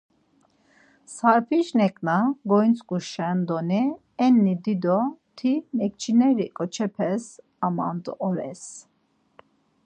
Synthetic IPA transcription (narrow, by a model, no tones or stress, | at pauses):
saɾpʰiʃnɛkʼnaɡɔjnt͡sʼkʼuʃɛnd̪ɔni | ɛnːid̪id̪ɔt̪ʰimɛkt͡ʃʰinɛɾikʼɔt͡ʃʰɛpʰɛs | ama̰nd̪ɔɔɾɛ̰s